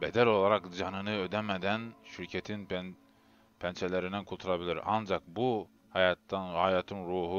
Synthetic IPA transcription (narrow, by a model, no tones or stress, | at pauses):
bɛd̪ælo̞lˠɑɾɑkd͡ʒɑnɯnɯød̪æmæd̪ænʃiɾcʰɛt̪ʰin | pʰænt͡ʃʰɛlʲæɾind̪ænkʰulˠt̪ʰulˠɑbilʲiɾʔɑ̰nd͡ʒɑk̚bu | hɑjɑt̪ːhɑjɑːt̪ʰɯnɾuːɦu